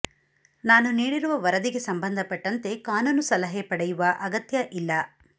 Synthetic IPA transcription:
naːnuniːɽiɾuʋɐʋɐɾɐd̪iɡe̞sɐmbɐnd̪ʱɐpɐʈːɐnt̪e̞kaːnuːnusɐlɐɦepɐɽɛjuʋɐʔɐɡɐt̪jɐʔilːɐ

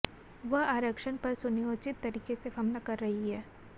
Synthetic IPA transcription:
ʋɐɦaːɾəkʃənpɐɾsʊnɪjoːt͡ʃɪt̪ːɐɾiːkesefɐmnakɐɾːɐɦiɦɛː

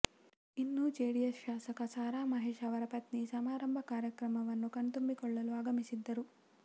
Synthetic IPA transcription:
inːud͡ʒeːɽijɐsʃaːsɐkɐsaːɾaːmɐɦeːʃɐʋɐɾɐpɐt̪nisɐmaːɾɐmbʱɐkaːɾjɐkɾɐmɐʋɐnːukɐnt̪umbikɔɭːɐluaːɡɐmisid̪ːɐɾu

